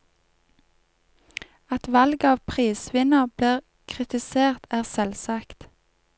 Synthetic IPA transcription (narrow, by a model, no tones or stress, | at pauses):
ɑt̪ʋɑlɡɑːʋpʰʁiːsʋɪnəʁbliːʁ | kʰʁɪt̪ɪseːʁt̪æːʁsɛlsɑːkt̪